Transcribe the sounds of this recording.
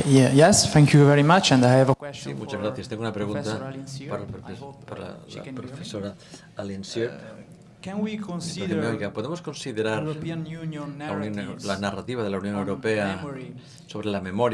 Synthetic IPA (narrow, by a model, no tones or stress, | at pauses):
jɛjɛsθɛ̃ŋkʰjuvɛɹimat͡ʃɛ̃ndajavəkwsḭmut͡ʃazɣɾaθjast̪eŋɡounapɾeɣũnt̪apapaɾ̰la̰pɾofesoɾa | alensjo | kwinðemeoikapoðemoskonsiðeɾaɾnlaunjõnlanarat̪iβ̞að̞elaunjonewɾopea | soβ̞ɾelamemoɾj